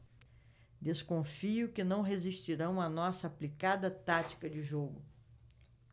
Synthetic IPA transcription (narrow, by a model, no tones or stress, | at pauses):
d̪eskõfiʊkɪnɐ̃w̃ɦeziʃt͡ʃiɾɐ̃w̃ɐnɔsɐːplikad̪ɐt̪at͡ʃi̥kɐd͡ʒɪʒoɡʊ